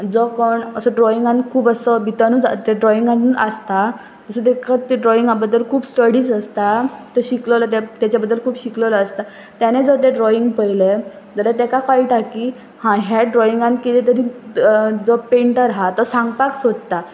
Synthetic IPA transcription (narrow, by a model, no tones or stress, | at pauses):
d͡zɔkəɳəsəɖɾɔiŋɡãnkʰuːbəsəbʱit̪anud͡zat̪eɖɾɔiŋɡãuəst̪a | t̪əsət̪̬ekat̪eɖɾɔiŋɡabəd̪ːəlkʰuːbsʈəɽiːd͡zəst̪at̪əɕiklələt̪at̪jat͡ɕabəd̪ːəlkʰuːbɕikləʋlaːst̪a | t̪janed͡zət̪eɖɾɔiŋɡpəjle | d͡zəlat̪̬ekakaiːʈaki | hãɦaɖɾɔiŋɡãnkit̪et̪əɾĩ | d͡zɔpeɳʈəɾɦat̪ɔsãŋɡpaksod͡zt̪a